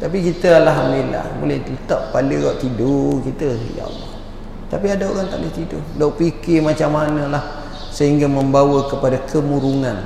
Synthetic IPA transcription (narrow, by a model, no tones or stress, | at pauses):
t̪apikit̪əlaɦmbela̰bo̰lɛht̪it̪aʔpaləɣaʔt̪idokit̪əja̰a̰lːɔ̰h | t̪apiadaoɾaŋt̪aʔlət̪idʊ̰loʔpikɪmat͡ʃamːanə̃lah | səɦiŋɡaməmbawəkəpadakʰəmuɾuŋan